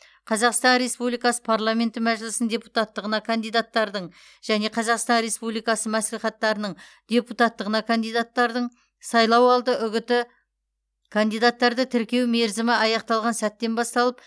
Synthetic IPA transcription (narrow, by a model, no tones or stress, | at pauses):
qʰɑzɑqst̪ɑnɾe̞spublijkɑsə̥pʰaɾlˠame̞nt̪ɪmæʒɪlɪsɪnd̪ʲe̞put̪ɑt̪ːəʁənɑkʰand̪ijd̪at̪ːɑɾd̪əɴ | ʒ̥æne̞qʰɑzɑqst̪ɑnɾe̞spublˠijkɑsəmæsliχɑt̪ːɑɾənəɴd̪̥ʲe̞put̪ɑt̪ːəʁənɑkʰand̪ijd̪at̪ːɑɾd̪əɴ | sɑjlˠɑwɑlˠd̪əʔʏɡʲɪt̪ɪ | kʰand̪ijd̪at̪ːɑɾd̪ət̪ʰɪɾkʲe̞wme̞ɾzɪmɪʔɑjɑqt̪ɑlˠʁɑnsæt̪ːe̞nbɑst̪ɑlˠəp̚